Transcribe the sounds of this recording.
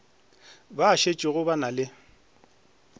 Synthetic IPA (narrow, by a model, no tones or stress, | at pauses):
baːʃet͡ʃʼɪɣʊbanalɪ